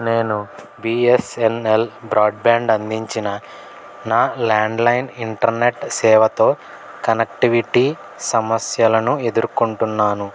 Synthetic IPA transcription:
ne̞ːnu | biːesenelbɾaːɖbaːɳɖɐnd̪iɲt͡ʃinɐ | naːlaːɳɖlɐjniɳʈɐɾne̞ʈsɛːʋɐt̪o̞ː | kɐnek̚ʈiʋiʈiː | sɐmɐsjɐlɐnue̞d̪uɾkuɳʈunːaːnu

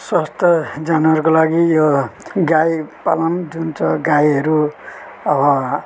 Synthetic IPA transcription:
swast̪ʰʌd͡zanuɦʌɾukolaɡijoɡajpa̰lʌnd͡zunt͡sʌɡajɦʌɾu | ʌbʌ

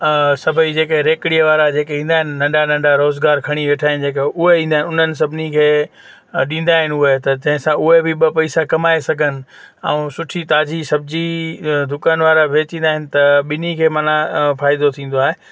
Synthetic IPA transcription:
sɐbʱəid͡ʑeːkeɾeːkɽijəʋaːɾad͡ʑeːkeɦĩːn̆d̪aːɦɪnɪnɐ̃ɳɖanɐ̃ɳɖaɾoːzɡaːɾkʰɐɽ̃iʋeːʈʰaːɦɪnɪd͡ʑeːkeʊɦeĩːnd̪aːɦɪ̃nʊn̤ənɪ̆s̬ɐbʱɪnikʰeː | ɗĩːn̆d̪aːɦɪnɪʊɦet̪ɐd͡ʑɐ̃ɦɪ̃sãʔʊɦebɪɓɐpɐisakɐmaːesɐɡʱənɪ̆ | ɛ̰̃ũsʊʈʰit̪aːd͡ʑisɐbʱɪd͡ʑid̪ʱʊkaːnʋaːɾaʋeːt͡ɕĩːnd̪aːɦɪnɪ̆t̪ɐɓɪnikʰeːmɐ̃nãfaːɪd̪ot̪ʰĩːn̆d̪oaːɦeː

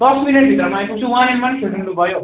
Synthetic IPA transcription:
d̪ʌsmineʈ̚bʱit̪ɾʌmãj̃puɡ̚t͡sʰuwãemanekʰeʈnubʱʌjo

